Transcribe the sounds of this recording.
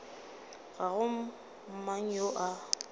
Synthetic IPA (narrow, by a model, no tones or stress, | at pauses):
ɣaɣʊm̩ | m̩maŋ̩joʔa